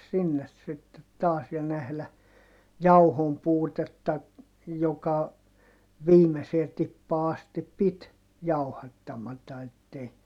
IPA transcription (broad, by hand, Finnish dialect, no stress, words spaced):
sinːes sitːet tɑːs jɑ næhlæ jɑuhompuːtetːɑ jokɑ ʋiːmeseː tipːɑː ɑstip pit jɑu̞hɑtːɑmɑtɑ etːei